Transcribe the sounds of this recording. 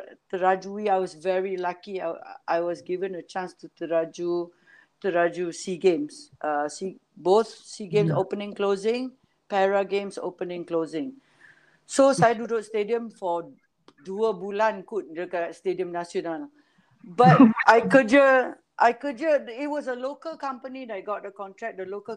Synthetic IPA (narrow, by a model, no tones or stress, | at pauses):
t̪əɹad͡ʒuwiajwɔsvɛɹilakia̰ajwɔsɡivə̃nət͡ʃãnstut̪əɹad͡ʒu | t̪əɹad͡ʒusiɡẽmsʔəsiboθsiɡẽmsopənɪ̃ŋklozɪ̃ŋ | pɛɹaɡẽmso̰pənɪ̃ŋklozɪ̃ŋ | sosajdudotstediə̃mfɔ | duəbulãnkut̚əkastediə̃mnasjonal | bat̚ʔajkud͡ʒə | ʔajkud͡ʒəit̚wɔsəlokəlkãmpənidɛt̚ɡɔt̚dəkɔ̃ntɹɛk̚dəlokə